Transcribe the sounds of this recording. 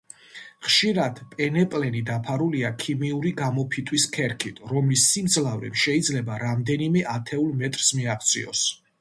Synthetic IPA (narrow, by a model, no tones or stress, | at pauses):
χʃiɾad̪̥pʼɛnɛpʼlɛnid̪apʰaɾuliakʰimiuɾiɡamɔpʰit̪ʼʰwiskʰɛɾkʰit̪ʰɾɔmlisːimd̪zlavɾɛ̰mʃɛid̪zlɛbaɾamd̪ɛnimɛʔat̪ʰɛulˠmɛt̪ʼɾsmiaχt̪sʰʼḭɔ̰s